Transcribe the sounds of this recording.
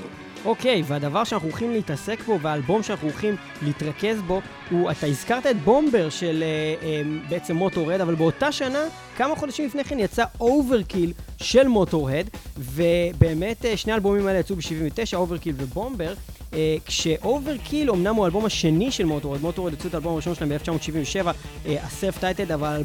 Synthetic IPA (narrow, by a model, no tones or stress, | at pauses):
ʔo̞ke̞jveadavaʁʃeanaχuolχimleitase̞kbo̞veaːlbo̞mʃeanaχuolχim | leitʁake̞sbo̞ | huataizkaʁtae̞t̚bo̞mbeʁʃeleembeet͡se̞mːo̞to̞ʁe̞davalbeo̞taʃana | kamaχo̞daʃimlifne̞jχenjat͡saʔowve̞ʁkilʃe̞lmo̞to̞ʁedve̞be̞ːme̞tːʃneaːlbo̞mimaelejat͡subeʃiviɱvete̞ʃaoveʁkilvebo̞mbe̞ʁkʃeʔove̞ʁkʰilo̞mnamualbo̞maʃe̞niʃelmo̞toʁedmo̞toʁed̪jat͡sutaːlbo̞maʁiʃo̞nʃelaembeft͡ʃamotʃiviɱveʃe̞vaaseftajtedaval